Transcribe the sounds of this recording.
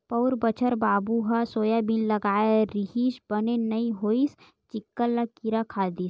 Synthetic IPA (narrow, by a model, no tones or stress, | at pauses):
pɐʊɾbət͡ʃʰəɾbaːbuɦasoːjabinlɐɡaːeɾɪɦiːʃbɐnenɐĩɦoːis | t͡ʃɪkːəlːakiɾakʰaːd̪is